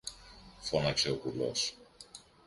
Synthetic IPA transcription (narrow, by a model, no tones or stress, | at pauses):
fonɐkseokulo̰s